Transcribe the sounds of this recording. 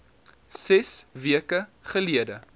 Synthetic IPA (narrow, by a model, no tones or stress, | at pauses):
sɛsviəkəχəliədə